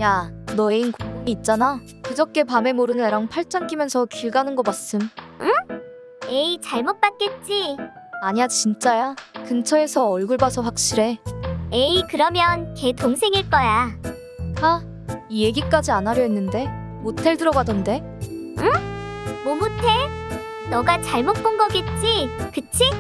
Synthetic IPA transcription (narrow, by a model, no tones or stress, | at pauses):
janʌeinkoumiːt̚t͡ɕ͈ana | kɯd͡ʑʌk̚k͈e̞pame̞moɾɯnɯneɾaŋpʰaɭt͡ɕ͈ʌnk͈imjʌnsʰʌkiɭɡanɯnɡʌm͈as͈ɯmɯ | eit͡ɕaɭmot̚p͈at̚k͈e̞t̚t͡ɕ͈i | aɲiad͡ʑt͡ɕint͡ɕ͈ajakɯnt͡ɕʰʌe̞sʰʌʌɭɡɯɭbasʰʌɸwak̚ɕ͈iɾe̞eikɯɾʌmjʌnke̞toŋsʰe̞ŋiɭk͈ʌja | ta | ije̞ɡik͈ad͡ʑianɦaɾjʌɦenːɯnde̞ | motʰeɭdɯɾʌɡadʌnde̞ | ɯ | momotʰeɭ | nʌɡat͡ɕaɭmot̚p͈onɡʌɡet̚t͡ɕ͈ikɯt͡ɕʰi